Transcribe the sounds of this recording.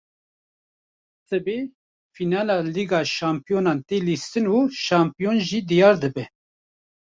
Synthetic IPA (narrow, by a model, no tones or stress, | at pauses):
sɛbeː | finɑːlɑːliːɡɑːʃɑːmpijoːnɑːnt̪eːlist̪ɨnuːʃɑːmpijonʒid̪ijɑːɾd̪ɨbɛ